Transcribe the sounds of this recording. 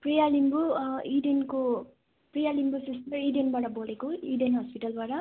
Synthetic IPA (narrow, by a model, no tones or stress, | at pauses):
prijalimbuiɖenko | prijalimbusistiɖenbaʈʌbolekoiɖenɦʌspiʈalbaʈʌ